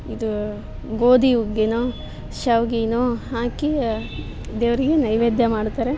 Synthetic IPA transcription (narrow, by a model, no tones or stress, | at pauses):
id̪u | ɡoːd̪iuɡenoː | ʃɐʋɡinoːɦaːki | d̪eːʋɾiɡenɐjʋeːd̪jɐmaːɖt̪aːɾe